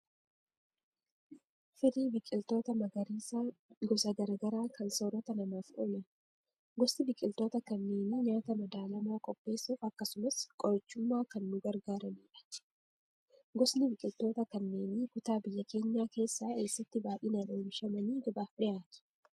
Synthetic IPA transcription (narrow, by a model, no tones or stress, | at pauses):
fɪd̪iːbɪkʼɪlt̪o̞ːt̪ɐmɐɡɐɾiːsaɡɔsɐɡɐɾɐɡɐɾaːkɐnsoːɾɔt̪ɐnɐmaːfʔɔmɐn | ɡɔsnɪbɪkʼɪlt̪o̞ːt̪ɐkɐnːeːniɲaːt̪ɐmɐd̪aːlɐmo̞ːkʼɔpʼːe̞ːsuːfɐkːɐsʊmɐskʼɔɾɐt͡ʃːʊmːaːkɐnːʊɡɐɾɡaːɾɐmiːᶑɐ̥ | ɡɔsnɪbɪkʼɪlt̪o̞ːt̪ɐkɐnːeːnikʊt̪aːbɪjːɐke̞ːɲːaːke̞ːsːaːe̞ːsːɐt̪ːɪbaːʔɪːnɐneːmʃɐmɐniːɡɐbaːfᶑɪjaːt̪ʊ̥